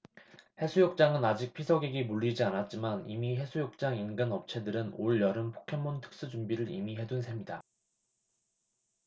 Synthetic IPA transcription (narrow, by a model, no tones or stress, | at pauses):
he̞sʰujok̚t͡ɕ͈aŋɯnad͡ʑik̚pʰisʰʌɡiɡimuɭːid͡ʑianat̚t͡ɕ͈imanimiɦe̞sʰujok̚t͡ɕ͈aŋinɡɯnʌp̚t͡ɕʰe̞dɯɾɯnoɭjʌɾɯmpʰo̥kʰe̞mːontʰɯ̥k̚s͈ɯd͡ʑumbiɾɯɾḭmiɦe̞dunsʰe̞mɲida